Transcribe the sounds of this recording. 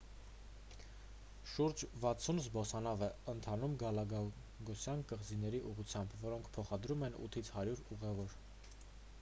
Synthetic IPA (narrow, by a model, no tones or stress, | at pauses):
ʃuɾd͡ʒvɑt͡sʰunzbɔsɑnɑvɛənt̪ʰɑnumɡɑlɑɡ | ɡɔsjɑnkəʁzinɛɾiʔuʁut͡sʰjɑmbvɔɾɔŋkʰpʰɔχɑd̪ɾumɛnṵt̪ʰit͡sʰhɑɾjuɾuʁɛvɔɾ